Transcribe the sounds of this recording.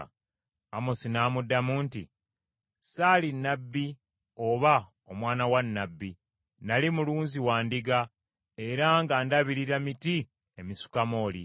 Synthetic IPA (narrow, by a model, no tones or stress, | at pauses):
amosinaːmudːamuːntḭ | saːlinːabːi | o̞βa | omwaːnawanːabːi | nalimuluːnziwaːndiɡa | e̞ɾaŋɡandaβiɾiɾamiti | emisu̥kamo̞ːli